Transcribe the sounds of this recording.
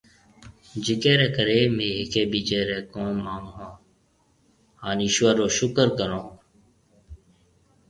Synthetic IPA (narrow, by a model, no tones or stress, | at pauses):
d͡ʒɪkeːɾeːkəɾeːmeːɦɪkʰeːbiːt͡ʃeːɾeːkõːmaːŋɦõː | haːniːʃʊʋaɾoːʃʊkəɾkəɾõː